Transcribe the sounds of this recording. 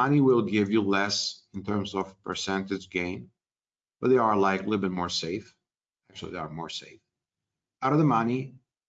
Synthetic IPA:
ʌniwɪlˠɡɪvjulɛsɨ̃ntʰɜ̃˞mzɔv̥pʰə̰˞sɛ̃ntɨd͡ʒɡẽɪ̃n | b̥ʌt̚ðeɪə˞laɪklibʌt̚mɔɹseɪf | æk̚t͡ʃʉl̩ˠḭðeə˞mɔ̰ɹseɪf | aʊɾʌvðəmʌni

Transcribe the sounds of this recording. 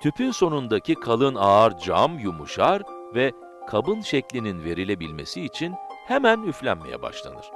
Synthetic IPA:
t̪ʰypʰyso̞nund̪acʰikʰalˠɯnaːɾd͡ʒa̰mjumuʃaɾvɛ | kʰabɯnʃɛclʲininve̞ɾilʲe̞bilʲme̞̰siːt͡ʃʰinhemænyflʲæ̰nmejɛ̰ba̰ʃlˠa̰nɯ̰ɾ̥

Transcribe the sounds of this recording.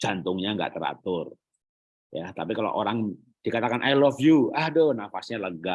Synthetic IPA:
d͡ʒant̪ʊŋɲaŋɡa̰ʔt̪əɾa̰t̪ʊr | jat̪apikalo̰ʔoɾaŋ | d̥ikat̪akanʔajlɔfjuahdɔhnafasɲaləɡa

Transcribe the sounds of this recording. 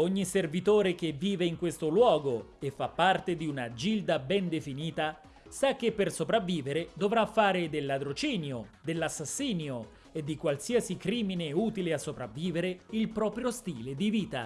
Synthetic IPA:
oɲːiservit̪oːɾekevːiːveiŋkwest̪olwɔːɡoefːapːart̪ed̪iunad͡ʒild̪abɛnd̪efiniːt̪a | sak̟ːepːersopɾavːiːveɾed̪ovɾafːaːɾed̪elːad̪ɾot͡ʃiːnjod̪elːasːasːiːnjo | ed̪ːikwalsiasikɾiːmineuːt̪ileasːopɾavːiːveɾeilpɾɔːpɾjost̪iːled̪iviːt̪a̰

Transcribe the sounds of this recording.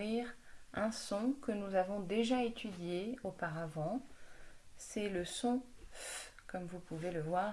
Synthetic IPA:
iʁɛ̃sɔ̃kənuzavɔ̃d̪eʒaet̪ʰyd̪jeopaʁavɑ̃ | sɛləsɔ̃f | kɔmvupuveləvwaːʁ

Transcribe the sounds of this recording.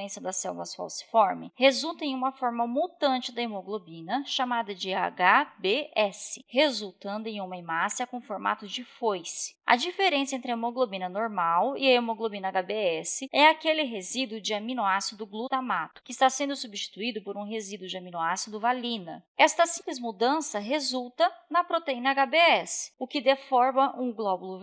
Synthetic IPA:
ẽsiɐd̪ɐsɛ̰wvɐ̰sfa̰wsɪ̥fɔɾmɪhezuwt̪ɐẽj̃ũmɐfɔɾmɐmut̪ɐ̃nt͡ʃɪd̪ɐemoɡlobĩnɐʃamad̪ɐd͡ʒɪa̰ɡabeɛsɪ̥hezuwt̪ɐ̃nd̪ʊẽj̃ũmɐẽmasɐkõfoɾma̰t̪ʊd͡ʒɪfojsɪ̥ɐ̰d͡ʒifeɾẽsɐẽnt̪ɾɪɐemoɡlobĩnɐnoɾmawɪɐemoɡlobĩnɐaɡabeɛsɪɛakelɪɦezid̪ʊd͡ʒɪamĩnoasid̪ʊɡlut̪amat̪ʊ̥kɪːst̪asẽnd̪ʊsubist͡ʃi̥t̪uid̪ʊpoɾũɦezid̪ʊd͡ʒɪamĩnoasid̪ʊvalĩnɐ̰ɛst̪ɐsĩplɪzmud̪ɐ̃sɐɦezuwt̪ɐnɐpɾot̪eĩnɐaɡabeɛsɪ̥ʊkɪd̪efɔɾmɐʔũɡlɔbʊlʊ

